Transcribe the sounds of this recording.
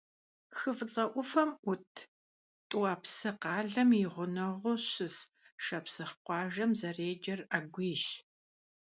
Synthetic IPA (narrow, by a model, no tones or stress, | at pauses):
xɨfɨt͡sʼɐʔʷʊfɐmʷʊtʰ | tʼuaːpsɨqɑːɮɐmiʁʷʊnɐʁʷʊɕɪs | ʃɐpsɨχqʷɑːʒɐmzɐreːd͡ʒɐraɡʷiːʃ